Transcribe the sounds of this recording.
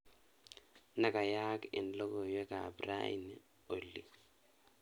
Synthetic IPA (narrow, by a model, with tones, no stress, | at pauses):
na˦˨ka˨jaː˦kɛ̰˨nlɔ˦kɔ˨jwɛ˦ka˨bɾa̰˦ḭ˨n | o˨lːḭ˨